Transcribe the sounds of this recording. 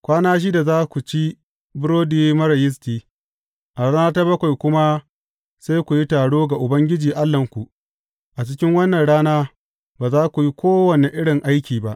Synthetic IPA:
kʷaː˦naː˦ʃ̬iː˦da˨zaː˦kʷu˨t͡ʃi˦ | bʊ˦ɾoː˦diː˦mɐ˦ɾɐ˨jɪ˦s̬tiː˦ | ʔa˨ɽaː˦naː˦ta˦bɐ˦kʷa˨jkʷʊ˦ma˦ | sa˦jkʷu˨ji˦taː˨ɽoː˦ɡa˨ʔʊ˨bɐ˦ŋɡʲɪ˦d͡ʒiː˨ʔa˦lːɐ˨ŋkʷu˨ʔ | ʔa˨t͡ʃɪ˦kʲɪ˦ŋwɐ˦nːɐ˨nɽaː˦naː˦ | baː˨zaː˦kʷu˨ji˦kʷoː˦wɐ˨ne˨ʔɪ˦ɽɪ˨ŋʔa˦jkʲiː˨ba˦ʔ

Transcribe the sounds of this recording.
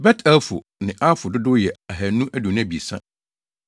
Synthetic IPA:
bɛ˦tʰæ˦fʊ̰˨ | nɪ̃˨ʔa˦fʊ˨dʊ˦dʊ˦jɛ˨a˨ɦæ˨nũ˦ʔæ˦dʊ˨ñ˦˨bi˨sã˦

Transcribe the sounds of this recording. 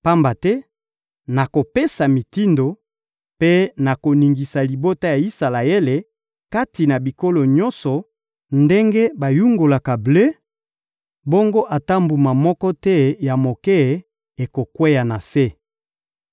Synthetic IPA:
pa˦mba˨tɛ˦ | na˨ko˨pe˦sa˨mi˨ti˦ndo˨ | pe˦na˨ko˨ni˨ŋɡi˨sa˨li˨bo˦ta˦ja˨i˦sa˨la˨e˦le˨ | ka˦ti˨na˨bi˨ko˦lo˨ɲɔ˦nsɔ˨ | nde˦ŋɡe˦ba˨ju˦ŋɡo˨la˨ka˨ble˦ | bo˦ŋɡo˦ʔa˨ta˦mbu˨ma˨mɔ˦kɔ˦tɛ˦ja˨mo˨kɛ˦˨ | e˨ko˨kwe˦ja˨na˨se˦

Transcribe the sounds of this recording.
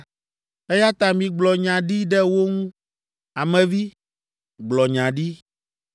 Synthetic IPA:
e˦ja˦t̪a˨mĩ˨ɡ͡blɔ˨ɲã˨ɖi˦ɖɛ˦wo˦ŋũ˦ | a˨mɛ̃˨vi˦ | ɡ͡blɔ˨ɲã˨ɖi˦

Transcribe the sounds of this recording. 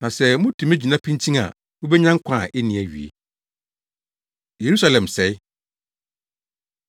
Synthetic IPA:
nã˨sɛ˦mʊ̃˦tʰĩ˨mæ̃˦d͡ʑᶣi˨nã˦pʰĩ˦ntʰĩ˦ŋa̰˨ | wʊ̃˦bɛ˦ɲã˦ŋ̩˦kʷʰã˦˨ʔɛ˦nĩ˨æ˨ɥḭ˨ḛ˨ | je˨ɾu˦sa˦lɛ̃˨msɛ˨ɪ˦

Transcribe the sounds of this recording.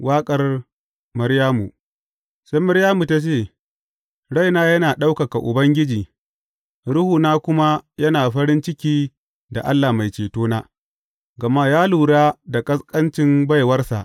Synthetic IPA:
waː˦kʼɐ˨r | mɐ˦ɽjaː˦mṵ˨ | sa˦jmɐ˦ɽjaː˦mu˨ta˦t͡ʃeː˦˨ | ɽa˦jnaː˦jɐ˦naː˨ɗa˦wka˨ka˨ʔʊ̰˨bɐ˦ŋɡʲɪ˦d͡ʒiː˨ | ɽʊ˦huː˨naː˦kʷʊ˦ma˦jɐ˦naː˨ɸɐ˦ɽɪ˦nt͡ʃɪ˦kʲiː˦ | da˨ʔa˦lːaː˨ma˨jt͡ʃeː˨toː˦naː˦ | ɡɐ˨ma˦jaː˦luː˨ɽaː˦da˨kʼɐ˦skʼɐ˦nt͡ʃɪ˦mba˦˨jwɐ˦rsa̰˨ʔ

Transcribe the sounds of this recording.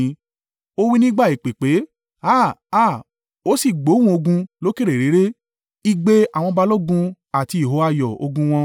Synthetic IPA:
o˦wi˦nĩ˦ɡ͡ba˦˨i˨k͡pe˨k͡pe˨˦ | a˦˨a˦˨ | o˨˦si˦˨ɡ͡bo˨˦w̃ũ˦o˧ɡũ˧lo˦ke˦˨ɾe˨ɾe˨˦ɾe˦ | i˦ɡ͡be˧a˨w̃ɔ̃˧ba˧lo˦ɡũ˧ | a˨ti˧˦˨ɦo˨˦a˦˨jɔ˨o̰˧ɡũ˧w̃ɔ̃˧

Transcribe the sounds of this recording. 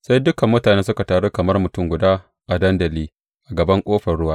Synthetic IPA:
sa˦jdʊ˦kɐ˨mːʊ˦taː˨ne˦nsʊ˦ka˨taː˨ɽo˦kɐ˨mɐ˦rmʊ˨tʊ˦˨ŋɡʷʊ˨daː˦ | ʔa˨dɐ˦ndɐ˨liː˦ | ʔa˨ɡɐ˨bɐ˦ŋkʷʼoː˦ɸɐ˨rɽʊ˦waː˦˨

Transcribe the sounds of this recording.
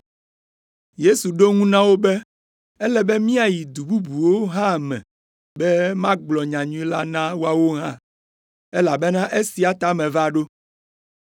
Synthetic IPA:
je˦su˨ɖo˦ŋũ˦nã˦wo˦bɛ˦ | ɛ˦lɛ˦bɛ˦mĩ˦a˨ji˨d̪u˨bu˦bu˨wo˦ɦã˦˨mɛ̰̃˨ | bɛ˦mã˦ɡ͡blɔ˨ɲã˨ɲũ˦ĩ˦la˦nã˦wo˦a˦wo˦ɦã̰˦˨ | ɛ˦la˨bɛ˦nã˦ʔe˦si˨a˨t̪a˨mɛ̃˨va˦˨ɖo˦

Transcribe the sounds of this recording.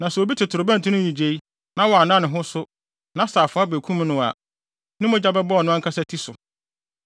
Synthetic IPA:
nã˨sɛ˨o˨bi˦tʰɪ˨tʰʊ˨ɾʊ˨bɛ̃˦n˨tʰũ˦nʊ̃˦ɲĩ˨d͡ʑe˨i˦ | nã˦wɔ˨a˨nã˦nɪ̃˨ɦʊ̃˦sʊ˦ | nã˦saː˨fʊ̃˨˦a˦be˨kʰũ˦m̃˦nʊ̃˦a̰˨ | nɪ̃˦mʊ̃˦d͡ʑa˦bɛ˦bɔ˦ɔ˨nʊ̃˦ã˦kʰa˦sɛ˦tʰi˦sʊ˨

